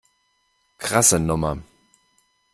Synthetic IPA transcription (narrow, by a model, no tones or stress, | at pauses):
kʁ̥asənʊmɐ